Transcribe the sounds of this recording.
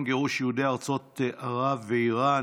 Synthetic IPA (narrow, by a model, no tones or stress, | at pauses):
mɡeʁuʃjehudeaʁt͡so̞t̪aʁavːeiʁa